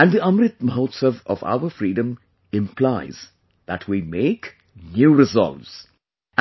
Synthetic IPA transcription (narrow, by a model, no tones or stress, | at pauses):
æ̃nɖd̪iʌ̃mɾɪt̪̚məɦoːt̪səʋɔ̰fa̰ʊəɾfɾiːɖə̃m | ɪ̃mpʰlaɪz̥ | ð̥æʈʰwiːmeːk | njuːɾɪzɔ̰lʋz̥